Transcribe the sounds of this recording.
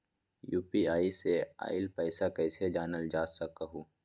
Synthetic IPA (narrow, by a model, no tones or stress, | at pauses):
juːpiaːisea̰ːɪlpɛːɪsakɛːsed͡ʒaːnəld͡ʒaːsɐkɐɦuː